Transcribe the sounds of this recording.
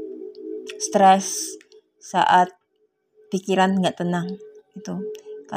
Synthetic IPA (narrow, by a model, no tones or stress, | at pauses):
st̪ɾɛs | sa̰ʔat̪̚ | pikiɾanɡaʔt̪ənaŋit̪uka